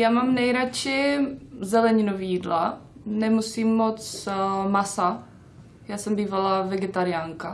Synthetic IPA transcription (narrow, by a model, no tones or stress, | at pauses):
jaːmamnɛjɾat͡ʃɪzɛlɛɲɪnovijiːdlanɛmusimːot͡smasa | jaːsɛmbiːvalavɛɡɛt̪aɾɪjaːŋka